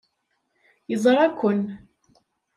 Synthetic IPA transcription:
jəzˤɾˤækʷːʊn

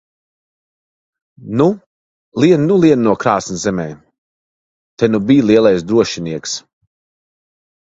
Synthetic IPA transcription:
nu | liɛnnulˠiɛnnuɔkɾaːsnizɛmɛj | t̪ɛnubiːjlˠiɛlˠajsd̪ɾuɔʃiniɛks

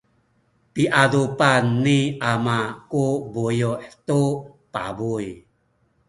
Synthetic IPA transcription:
piʔadupanːiʔamakubujuħtu | pa̰buj

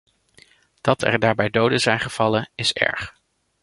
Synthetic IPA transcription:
d̥ɑtʰɛ̰ɹdaːɹbɛjdowdəzɛjnχəv̥ɑlənɪsɛ̰ɹχ

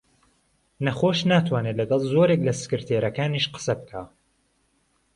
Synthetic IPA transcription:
nɐχoːʃnaːt̪ʰwaːnelɐɡɑlˠzo̞ːɾeklɐsɨ̥kɨɾt̪ʰeːɾɐkaːniʃqə̥sɐbɨkʰaː

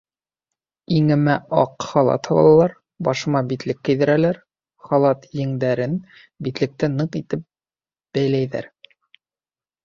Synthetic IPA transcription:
iŋɘ̆mæɑ̰qχɑlˠɑ̰t̪hɑlˠɑ̰ɑlˠɑɾ | bɑʃɤ̆mɑbit̪lɘkːɘ̆jðɘ̆ɾælæɾ | χɑlˠɑt̪jɘ̆ŋd̪æɾɘn | bit̪lɘ̆k̚t̪ɘnɤqit̪ɘp̚ | b̥æjlæjðæ̰ɾ

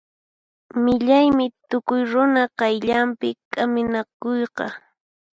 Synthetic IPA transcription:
mɪʎajmɪt̪ʊkʊjɾʊnaqɑjʎampɪkʼamɪnakojqɑ

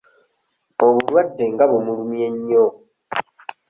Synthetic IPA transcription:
oβulwadːeŋɡaβumulumjeɲːo

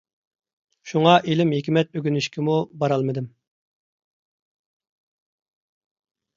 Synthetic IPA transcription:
ʃuŋɑʔelɪmɦekʲmɛt̪̚øɡʲynyʃkʲɪmubɑɾɑlˠmɨd̪ɪm

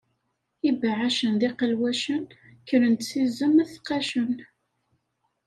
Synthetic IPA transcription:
ibaʕaʃənðiqəlwæʃən | kəɾənt̪sizəmæθqæʃən

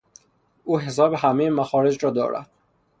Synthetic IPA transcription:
ʔuːɦe̞s̬ɒːbeɦæmejemæxɒːɾed͡ʒɾɒːd̪ɒ̰ːɾʔæ̰d̪̥̚

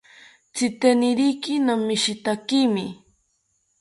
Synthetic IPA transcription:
t͡sɪt̪enɪɾijkɪnamːɪʃit̪akimɪ̰

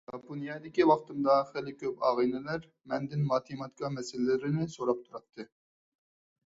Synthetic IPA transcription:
ʒɑponjɑd̪ɪkʲiwɑχt̪ɨmd̪ɑχælɪkʲʰøpɑ̰ːʁinɪlæɾ | mɛnd̪ɪnmɑːt̪ʰemɑt̪̚kʰɑmɛsɪllɪɾɪnɪsoɾɑp̚t̪ʰuɾɑt̪ʰːɨ

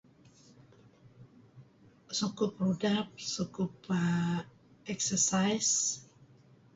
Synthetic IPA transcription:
sukʊprudap̚sukup | ɛksəsajs

